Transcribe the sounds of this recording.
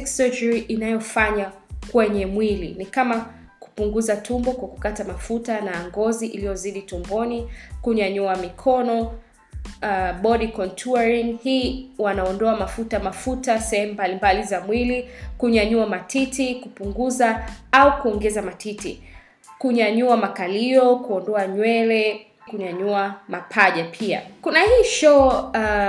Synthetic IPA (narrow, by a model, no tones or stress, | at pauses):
ksɛd͡ʒɛɹiʔinajɔfaɲakwɛɲɛmwilḭnikama | ku̥puŋɡuzatʰumbɔkwaku̥katamafutanaŋɡɔziʔilijɔziɗitumbɔnikuɲaɲuamikʰɔnɔ | ɓɔɗikɔntʰuaɹiŋhiːwanaɔndɔamafutamafutasɛhɛm̩ubalimbalizamwilikuɲaɲuamatʰitikupuŋɡuzaaukuɔŋɡɛzamatʰitḭ | kuɲaɲuamakaliɔkuɔndɔaɲwɛlɛ | kuɲaɲuamapʰaʄapʰia̰kunahiːʃɔ